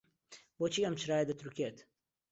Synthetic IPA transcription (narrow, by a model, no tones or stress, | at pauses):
boːt͡ʃʰiːɐmt͡ʃɾaːjed̪ɐt̪ɾukeːt̪